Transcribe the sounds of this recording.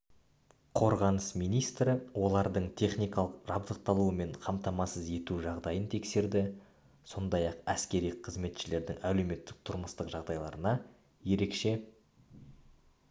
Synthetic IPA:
qʰo̞ɾʁɑnəsmijnijst̪ɾɪwʔo̞lˠɑɾd̪əɴt̪ʲʰe̞χnijkɑlˠəqʒɑbd̪əq̚t̪ɑlˠuəme̞ɴqʰɑmt̪ɑmɑsəze̞t̪uʒɑʁd̪ɑjənt̪ʰe̞kse̞ɾd̪ɪ | so̞nd̪ɑjɑqæskʲe̞ɾijqʰːəzme̞t̪ʃɪle̞ɾd̪ɪŋæle̞wme̞t̪ːɪ̥k̚t̪ʰʊɾməst̪əqʒɑʁd̪ɑjlˠɑɾənɑ | je̞ɾe̞kʃe̞

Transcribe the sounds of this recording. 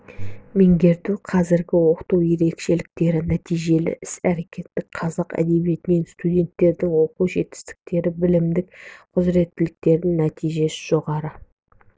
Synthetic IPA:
meŋɡʲe̞ɾd̪uqʰɑzɪɾɡʲɪwo̞qə̥t̪uwje̞ɾe̞kʃe̞lɪk̚t̪e̞ɾɪnæt̪ijʒe̞lɪ̰ʔɪsæɾe̞kʲʰe̞t̪ːɪkqʰɑzɑqæ̰d̪e̞bije̞t̪ɪme̞nst̪ud̪ʲe̞nt̪ːe̞ɾd̪ɪŋwo̞quʒe̞t̪ɪ̥st̪ɪ̥k̚t̪e̞ɾɪbɪlɪmd̪ɪk̚qʰʊzɾe̞t̪ːɪlɪk̚t̪e̞ɾd̪ɪŋnæt̪ijʒe̞sɪ̥ʒ̥o̞ʁɑɾə

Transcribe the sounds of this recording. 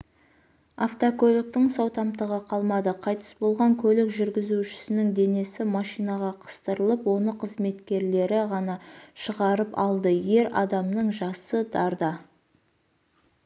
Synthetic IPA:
aft̪okʲʰɵlɪk̚t̪ɪŋsɑwt̪ɑmt̪əʁəqʰɑlˠmɑd̪əqʰɑjt̪ə̥sbo̞lˠʁɑŋkʲʰɵlɪkʒʏɾɡʲɪzuʃɪ̥sɪnɪŋd̪e̞ne̞sɪmɑʃijnɑʁɑqʰə̥st̪əɾəlˠəpwo̞nəqʰəzme̞t̪kʲe̞ɾle̞ɾɪʁɑnɑʃəʁɑɾəpɑlˠd̪əje̞ɾɑ̰d̪ɑmnəɴʒɑsəd̪ɑɾd̪ɑ

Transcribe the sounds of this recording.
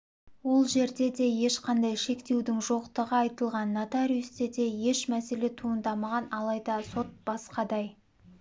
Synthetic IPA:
wo̞lˠʒe̞ɾd̪e̞d̪e̞je̞ʃqɑnd̪ɑjʃe̞kt̪e̞wd̪ɪŋʒo̞qt̪əʁəɑjt̪əlˠʁɑnːat̪aɾijust̪ed̪e̞je̞ʃmæse̞le̞t̪ʰuənd̪ɑmɑʁɑnɑlˠɑjd̪ɑso̞t̪̚b̥ɑsqɑd̪ɑj

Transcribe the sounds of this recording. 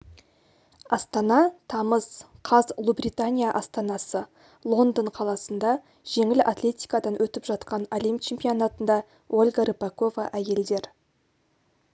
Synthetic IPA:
ɑst̪ɑnɑt̪ʰɑməz̥qʰɑzlˠubrʲijt̪anʲijaʔɑst̪ɑnɑsə | lˠo̞nd̪əɴqʰɑlˠɑsənd̪ɑ | ʒ̥e̞ŋɪla̰t̪lʲe̞t̪ʲijkad̪ɑnwɵt̪ɪpʒɑt̪qɑnolijmt͡ʃʰe̞mpijo̞nat̪ənd̪ɑ | ʔolʲɡaɾipako̞va̰ʔæje̞ld̪e̞ɾ

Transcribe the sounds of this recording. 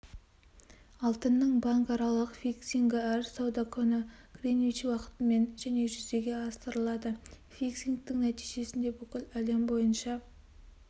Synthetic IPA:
ɑlˠt̪ənːəɴbɑŋkɑɾɑlˠəqfʲijksʲiŋɡʲɪæɾsɑwd̪ɑkʲʰɵnɪɡ̥rinvit͡ʃwɑqə̥t̪əme̞nʒæne̞ʒʏzd̪e̞ɡʲe̞ɑst̪əɾəlˠɑd̪ə | fʲijksʲiŋk̚t̪ɪŋnæt̪ijʒe̞sɪnd̪e̞bʏkʲɪlæle̞mbo̞jənʃɑ

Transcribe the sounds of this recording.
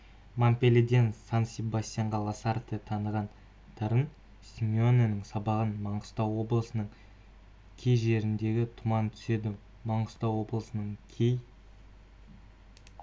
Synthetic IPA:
mampʲelʲed̪e̞nsansʲibast̪ʲijaɴʁɑlˠɑsɑɾt̪ət̪ʰɑnəʁɑn | t̪ʰɑɾən | sʲimʲionenəɴsɑbɑʁənmɑɴqəst̪ɑwːo̞blˠəsənəɴ | kʲʰejʒe̞ɾɪnd̪e̞ɡʲɪt̪ʰʊmɑnt̪ʰʏ̥se̞d̪ɪ | mɑɴə̥st̪ɑwo̞blˠəsənəɴkʲʰej

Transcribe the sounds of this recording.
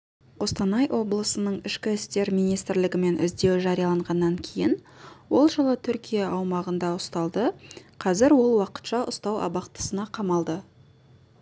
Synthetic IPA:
wo̞st̪ɑnɑjwʔo̞blˠəsənəɴɪʃkʲɪɪst̪e̞ɾmijnijst̪ɪɾlɪɡʲɪme̞nʔɪ̰zd̪e̞wɪʒɑɾijɑlˠɑɴʁɑnːɑŋkʲʰe̞jɪn | wo̞lˠʒəlˠət̪ʰʏɾkʲijɑʔɑwmɑʁənd̪ɑʊst̪ɑlˠd̪əqʰɑzɪɾwo̞lˠwɑqə̥t̪ʃɑʔʊst̪ɑwɑ̰bɑqt̪ə̥sənɑqʰɑmɑlˠd̪ə

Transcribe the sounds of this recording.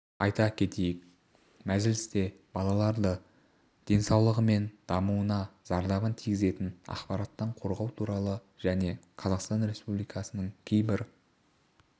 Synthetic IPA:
ɑjt̪ɑkʲʰe̞t̪e̞jɪk̚ | mæʒɪlɪst̪e̞ | b̥ɑlˠɑlˠɑɾd̪ə | d̪̥e̞nsɑwlˠəʁəme̞nd̪̥ɑmuənɑz̥ɑɾd̪ɑʁənt̪ʰijɡʲɪze̞t̪ɪnɑ̰qpɑɾɑt̪ːɑɴqʰo̞ɾʁɑwt̪ʰuɾɑlˠə | ʒ̥æne̞qʰɑzɑqst̪ɑnɾe̞spublijkʰɑsənəɴkʲʰejbɪɾ

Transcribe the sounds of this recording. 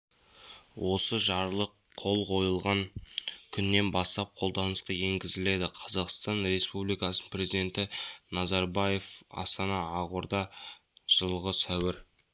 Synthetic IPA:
wʔo̞səʒɑɾlˠəqʰːo̞lˠqʰo̞jəlˠʁɑŋkʲʰʏnːe̞nbɑst̪ɑp̚qʰo̞lˠd̪ɑnəsqɑje̞ŋɡʲɪzɪle̞d̪ɪqʰɑzɑqst̪ɑnɾe̞spublijkɑsnpre̞zid̪ʲe̞nt̪ɪnɑzɑɾbɑje̞fɑ̰st̪ɑnɑːʁʊɾd̪ɑ | ʒ̥əlˠʁəsæwɪɾ

